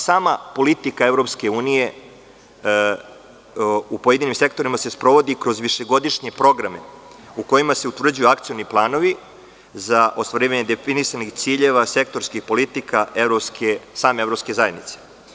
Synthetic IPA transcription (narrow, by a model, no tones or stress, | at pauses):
saːmapo̞lit̪ikaevɾo̞pske̞uːnije̞ | upoje̞d̪inimse̞kt̪o̞ɾimase̞spɾo̞ʋo̞d̪ikɾo̞zʋiʃe̞ɡo̞d̪iʂɲe̞pɾo̞ɡɾame̞ | uko̞jimase̞ut̪ʋr̩d͡ʑujuakt̪sijo̞niplˠaːno̞ʋi | zaʔo̞st̪ʋaɾiːʋaɲe̞d̪efinisanixt̪siːʎe̞ʋase̞k̚t̪o̞ɾskixpo̞lit̪ikaʔevɾopskesaːmeevɾopske̞zaje̞d̪nit̪se̥